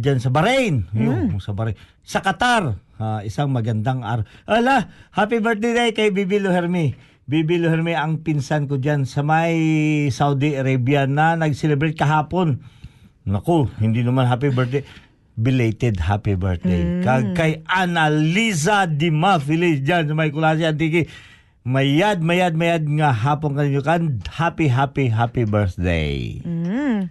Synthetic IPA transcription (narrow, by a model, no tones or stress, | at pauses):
d͡ʒansɐbɐɾɛjnjoŋsɐbɐɾajn | sɐkɐt̪aɾaɪsaŋmɐɡɐnd̪aŋʔa̰ːɾɐʔalahapibɛɹt̪ɛd̪ajkɐjbibilohɛɾmi | bibilohɛɾmiʔɐŋpɪnsankod͡ʒansɐmɐjsawd̪iɐɾabjanɐnɐɡsɛlɛbɾɛjt̪̚kɐɦaːponː | ɐkohɪnd̪inɐmanɦaːp̬ibɛɾd̪ɛ | bɪlejt̪ɛd̪̚hapibɛɹsd̪ḛjkɐkɐjanalisad̪ɪmafɪlɪsd͡ʒansɐmɐjkʊlas̬iɐnt̪ikɪ | mɐjad̪̚mɐjad̪̚mɐjad̪̚ŋɐɦaːponkɐniɲːokand̪hapiɦaːpiɦapibɛɹsd̪ḛj